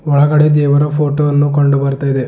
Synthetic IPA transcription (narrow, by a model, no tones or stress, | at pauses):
ɔɭɐɡɐɽed̪ɛːʋɐɾɐpʰoːʈoːɐnːukoɳɖubɐɾt̪aːjid̪e